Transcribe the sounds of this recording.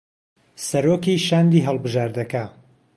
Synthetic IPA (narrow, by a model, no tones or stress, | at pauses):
sɐɾokiʃaːnd̪iːɦɐlˠbɨʒaːɾd̪ɐka